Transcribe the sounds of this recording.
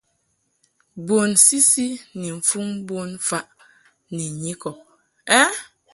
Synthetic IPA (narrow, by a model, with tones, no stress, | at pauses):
bo˨nsi˦si˦ni˨ɱ̩˨fu˦ŋbo˦nfa˦ʔ | ni˨ɲi˦kɔ˨ | ɛ˦